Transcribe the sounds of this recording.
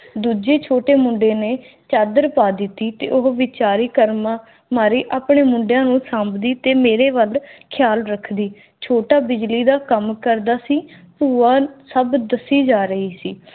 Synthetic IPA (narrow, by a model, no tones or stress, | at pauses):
d̪uːd͡ʒeːt͡ʃʰoːʈeːmʊ̃ɳɖeːneː | t͡ʃaːd̪əɾpaːd̪ɪt̪ːiːt̪ḛːʔʊɦʋɪt͡ʃaːɾiːkəɾma | maːɾiːʔaːpɳeːmʊɳɖejãːnũːsãːmbd̪iːt̪eːmeːɾeːʋəlkʰjaːlɾəkʰd̪iː | t͡ʃʰoːʈaːbɪd͡ʒliːd̪aːkəmkəɾd̪aːsiːpuːaːsəbd̪əsiːd͡ʒaːɾəɦiːsiː